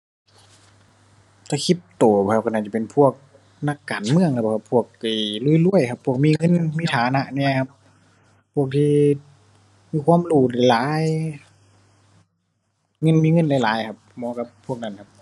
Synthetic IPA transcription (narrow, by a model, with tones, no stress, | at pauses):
t̪a˧˩kʰi˧˥p̚t̪oː˨˩bɔ˧˩hʰa˧˩ka˧˩naː˧˩t͡ɕa˧˩pe˨npʰu˧˩ək̚ | na˧˥˨kːaː˨nmɯ˧əŋkʰa˧˩˨ka˧˩pʰu˧˩ək̚ːa˧˩lu˧˩˨jlu˧˥˨əjkʰa˧pʰːu˧˩ək̚miː˧˥˨ŋɤ˧˥˨nmiː˧˩t̪ʰaː˨˦na˧ʔni˧˥˨kʰa˧p̚ʰː | u˧˩ək̚t̪ʰiː˧ | miː˧kʰwaː˧˥˨mluː˧˩la˧˩laː˨˦j | ŋɤ˧˥˨nmiː˧˥˨ŋɤ˧˥˨nlaː˧˨laː˨˦jkʰa˧p̚mɔː˧˦ka˧pʰːu˧˥˩ək̚na˧˩˨nkʰa˧˥p̚